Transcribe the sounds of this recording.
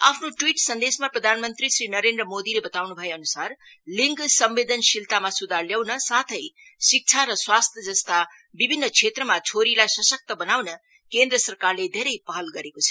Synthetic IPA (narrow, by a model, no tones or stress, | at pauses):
a̰pʰnoʈwiʈsʌnd̪esmaprʌd̪ʱanmʌnt̪risrinʌɾend̪rʌmod̪ilebʌt̪awnubʱʌjeʌnusarliŋɡsʌmbed̪ʱʌnsilt̪amasud̪ʱarljawnʌsat̪ʰʌj | sik̚t͡sʰaɾʌswast̪ʰjʌd͡zʌst̪a | bibʱinːʌt͡sʰet̪rʌmat͡sʰoɾilajsʌsʌk̚t̪ʌbʌnawnʌ | kend̪rʌsʌrkarled̪ʱeɾʌjpʌɦʌlɡʌɾekot͡sʰʌ̥